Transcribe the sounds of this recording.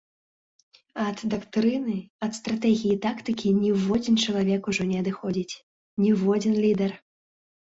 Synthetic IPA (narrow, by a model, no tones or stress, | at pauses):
ɐd̪d̪akt̪ɾɨnɨɐt̪st̪ɾat̪ɛɣʲijit̪akt̪ɨkʲinʲɛvɔd͡zʲint͡ʂɐlˠavʲɛkuʐɔnʲɛɐd̪ɨxɔd͡zʲit͡sʲ | nʲɛwvɔd͡zʲinlʲid̪ɛr